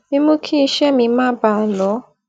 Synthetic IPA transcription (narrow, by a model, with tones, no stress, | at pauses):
mĩ˦mũ˦kʰi˦i˧ʃɛ˦˨mĩ˧mãː˦ba˦˨lɔ˨˦